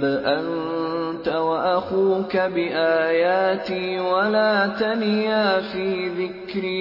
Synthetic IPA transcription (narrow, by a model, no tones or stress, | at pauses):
ʔan | t̪awaʔaxuːkabɪʔaːjaːt̪iːwalaːt̪anjaːfiːðɪkɾi